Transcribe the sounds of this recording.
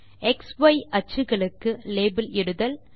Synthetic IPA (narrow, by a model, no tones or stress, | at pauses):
ɛksʋɐɪʔɐt͡ʃːɯɣɐɭɯkːɯleːbɪlɪɽɯðɐl